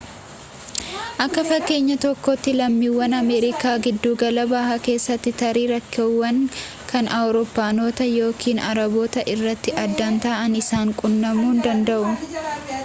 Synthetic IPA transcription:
ʔɐkːɐfɐkːe̞ːɲːɐt̪ɔkːɔt̪ːɪlɐmːiːwːɐnɐme̞ːɾɪkaːɡɪd̪ːuːɡɐlɐbaːhake̞ːsːɐt̪ːɪt̪ɐɾiːɾɐkːɪʊwɐŋ | kʰɐnʔɐwɾoːpːaːno̞ːt̪ɐjo̞ːkʰiːnɐɾɐboːt̪ɐʔɪrːɐt̪ːɪʔɐd̪ːant̪ɐːʔɐnɪsaːŋkʼʊnːɐmuːnd̪ɐnd̪ɐʔʊ

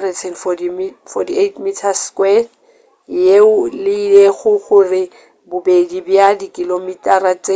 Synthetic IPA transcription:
rɛtʰɛnfɔ | fɔtʰietmitʰaskwɛ | jeʊlɪileɣʊχʊrɪ | bʊbedibjadikʼilomitʼaɾat͡se

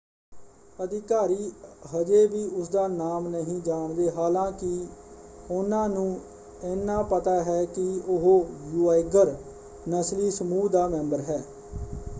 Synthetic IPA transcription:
əd̪ɪkaːɾiːɦəd͡ʒeːʋiːʔʊsd̪aːnaːmnəɦĩːd͡ʒaːɳd̪eːɦaːlãːkɪ | ʊnãːnũː | ɪnːãːpət̪aːɦɛːkɪʊɦoːjuːaːɪɡəɾ | nəsliːsəmuːd̪aːmɛ̃ːmbəɾɦɛː

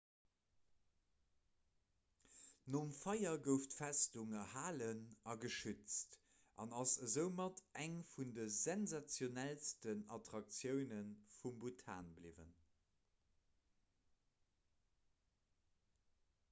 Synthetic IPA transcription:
nomfɑjɐɡəʊftfæstuŋəhaːlənɑɡəʃyt͡st | ʔɑ̰nɑsəzəʊmɑtʰæŋfundəzɛnzat͡sjonælstənɑtʁɑk̚t͡sjəʊnənfumbutʰa̰ːnbliːvə̰n

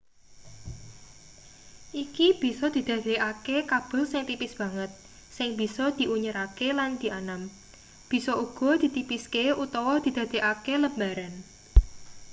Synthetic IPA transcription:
ʔikib̥i̤sɔd̪̥i̤d̪̥ä̤d̪̥e̤ʔakekab̥ə̤lsɪŋt̪ipɪsb̥ä̤ŋət̪̚ | sɪŋb̥i̤sɔd̪̥i̤ʔuɲəɾakeland̪̥i̤ʔanam | b̥i̤sɔuɡ̥ɔ̤d̪̥i̤t̪ipiskeut̪ɔwɔd̪̥i̤d̪̥a̤d̪̥e̤ʔakeləmaɾan

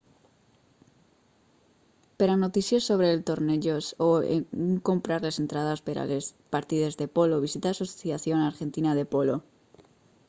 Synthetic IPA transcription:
peɾano̞t̪iθjosːo̞βɾe̞lt̪o̞ɾneʝosoḛŋko̞mpɾaɾlese̞nt̪ɾað̞aspeɾa̰les | paɾt̪iðe̞zðe̞po̞loβisit̪asoθjaθjo̞naɾxe̞nt̪inað̞e̞po̞lo̞

